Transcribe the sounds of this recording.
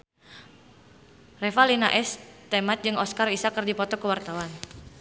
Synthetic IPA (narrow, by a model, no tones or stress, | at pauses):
refalinaʔɛst̪emat̪̚d͡ʒɨŋɔskarisakərdipɔt̪ɔkəwart̪awan